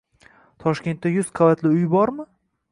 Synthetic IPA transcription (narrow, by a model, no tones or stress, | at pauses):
t̪ʰɒʃkʲe̞nt̪ːajʊzqʰɑvat̪ʰlɪʊjbɒɾmɪ